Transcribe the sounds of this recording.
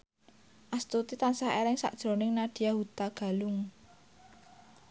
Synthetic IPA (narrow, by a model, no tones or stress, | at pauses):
ʔast̪ut̪it̪ansaɦelɪŋsa̰ʔd̥ʒ̥ɾo̤nɪŋnaɖ̪̥i̤jaɦut̪aɡ̥a̤lʊŋ